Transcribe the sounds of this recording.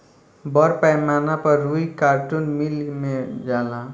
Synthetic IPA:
bɔɾpajmaːnapəɾːuikaːɾʈunmilmẽd͡ʒaːla

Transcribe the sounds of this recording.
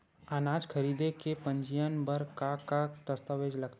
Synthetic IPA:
aːnaːd͡ʒkʰɐɾiːd̪ekepə̃ɲd͡ʒijənbəɾkakat̪ɐst̪əʋeːd͡ʒlɐɡt̪

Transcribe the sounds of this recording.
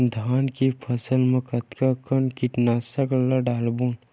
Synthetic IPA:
d̪ʱaːnkipʰɐsəlmə̃kɐt̪kakənkiʈnaːsɐklaɖaːlbuːn

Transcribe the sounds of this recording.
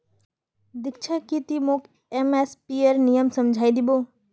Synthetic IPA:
d̪ɪkt͡ʃʰəkit̪imoːk | emespiəɾnijəmsəmd͡ʒʱaːid̪iboː

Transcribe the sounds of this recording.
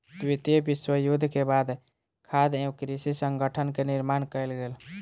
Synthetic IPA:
t̪wit̪əbɪswəjud̪ʱkebad̪ | kʰad̪ẽkɾisisəŋɡəʈʰənkenɪɾmankəjlɡeːl

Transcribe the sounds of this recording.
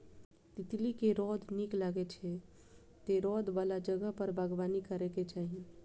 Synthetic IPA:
t̪it̪likeɾɔd̪ʱniklaɡet͡ʃʰɛ | t̪eɾɔd̪ʱbalad͡ʒəɡəɦpəɾbʱəɡʋanikəɾeket͡ʃaɦi

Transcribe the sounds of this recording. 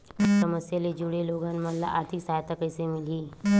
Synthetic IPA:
sɐməsjəled͡ʒuɽeloːɡãːnmanla̰ʔa̰ːɾt̪ʰiksaːjt̪əkɛːsemɪliː

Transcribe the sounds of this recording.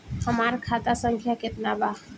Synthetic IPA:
həmaɾkʰat̪asəŋkʰjaket̪naba

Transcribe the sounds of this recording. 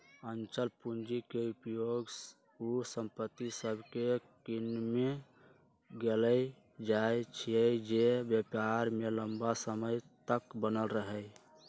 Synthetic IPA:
ənt͡ʃəlpund͡ʒikeupjoɡs | usəmpət̪ːisəbʱkekinme | ɡeləj | d͡ʒajt͡ʃʰiəd͡ʒebjəpaɾmeləmbasəməjt̪əkbənəlɾəɦəj

